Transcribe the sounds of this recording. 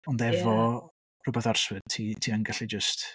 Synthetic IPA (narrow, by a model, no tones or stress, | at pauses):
ɔndɛvɔ | rʊbɛθarswɨdtʰitʰiːaŋɡaɬid͡ʒəst